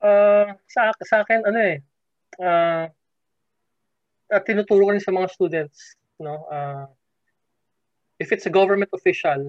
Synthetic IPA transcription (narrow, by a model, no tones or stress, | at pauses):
ʔasɐʔaksɐʔaːkɪnɐno̞ʔɛ | ʔaː | ʔɐt̪ːɪnuːt̪uːɾʊkɐɾɪnsɐmɐŋast̪uːd̪ɛnt̪̚s | no̞ʔa | ʔɪfɪt̪sɐɡovɛɹmɛnt̪ofiʃɐl